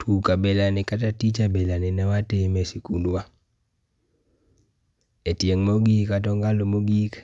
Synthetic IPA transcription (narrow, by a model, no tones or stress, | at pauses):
tʰukabɛlanɪkatatit͡ʃabɛlanɪnɛwatemesikundwa | etjeŋmoɡikat̬ɔŋɡalomoɡik